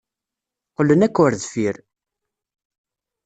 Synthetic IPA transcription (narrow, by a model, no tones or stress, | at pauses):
qəlːənækːʊɾðfiɾ